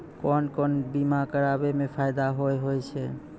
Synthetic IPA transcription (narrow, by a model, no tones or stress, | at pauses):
kɔnkɔnbimakəɾabemepʰajd̪aɦojɦojt͡ʃʰɛ